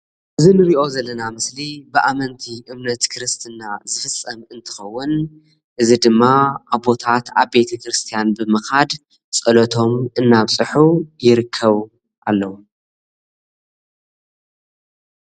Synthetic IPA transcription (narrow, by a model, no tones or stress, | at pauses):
ʔɨzinɨɾiʔo̞zɐlːɐnamɨslibɨʔamɐnt̪ʰiʔɨmnɐt̪kʰɾɨst̪ʰɨnːazɨfɨsʼɐmɨnt̪ʰɨ̥xɐwːʊn | ʔɨzid̪ɨmːaʔaβbo̞t̪ʰat̪aβbe̞t̪ʰɐkɾɨst̪ʰijanbɨmɨkad̪ | sʼɐlot̪ʰo̞mɨnːaβsʼɨħujɪɾɨkʰːɐβ | ʔalːɐwu